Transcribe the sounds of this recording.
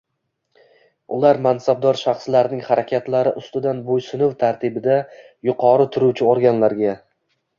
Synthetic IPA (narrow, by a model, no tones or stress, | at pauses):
ʊlaɾmansab̚d̪ɒɾʃaχslaɾnɪŋhaɾakʲʰat̪laɾɪʔʊst̪ɪd̪anbojsɪnɪwt̪ʰaɾt̪ʰɪbɪd̪a | jʊqʰɒɾɪt̪ʰʊɾut͡ʃʰɪoɾɡʲanlaɾɡʲa